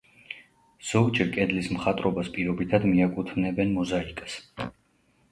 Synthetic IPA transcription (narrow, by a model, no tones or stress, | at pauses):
z̥ɔɡd͡ʒɛɾkʼɛd̪lismχat̪ʼɾɔbaspʼiɾɔbit̪ʰad̪miakʼut̪ʰmnɛbɛnmɔzaikʼḁs